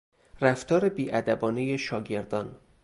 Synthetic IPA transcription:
ræft̪ʰɒːɾebiːʔæd̪æbɒːnejeʃɒːɡe̞ɾd̪ɒn

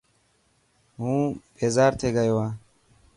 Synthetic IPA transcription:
hũbɛzaːɾt̪ʰɛɡɐjwa

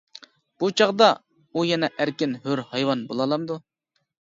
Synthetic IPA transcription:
b̥ut͡ʃʰɑʁd̪ɑ | ujɛnɛʔæɾkʲɪnhøɾhɑjwɑnbolˠɑlˠɑmd̪u

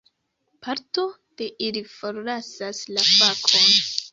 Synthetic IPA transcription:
paɾto̞ | d̥e̞ʔilifo̞ɾlasaslafakʰo̞n

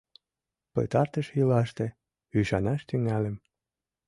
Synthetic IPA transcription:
pə̰t̪ɑrt̪əʃjilɑʃt̪e | yʃɑnɑʃt̪yŋælə̆m

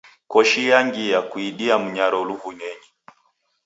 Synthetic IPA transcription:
kɔʃijaŋɡijakuiɗiam̩ɲaɾɔluvuɲɛɲɛ

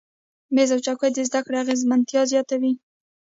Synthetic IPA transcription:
mezawt͡ʃakojd̪əzd̪akɽeaɣezmant̪jɑzjɑt̪awi

